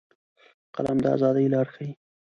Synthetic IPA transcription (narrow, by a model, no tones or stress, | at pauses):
qa̰lamd̪əa̰zɑd̪əjlɑɾxai